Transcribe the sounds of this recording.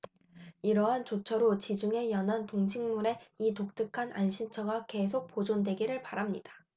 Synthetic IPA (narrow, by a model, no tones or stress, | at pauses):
iɾʌɦant͡ɕot͡ɕʰʌɾot͡ɕid͡ʑuŋe̞jʌnantoŋɕʰiŋmuɾe̞itok̚t͈ɯkʰanʔa̰nɕʰint͡ɕʰʌɡake̞s̬ʰok̚p͈od͡ʑondwe̞ɡiɾɯɭpaɾamɲid̥ḁ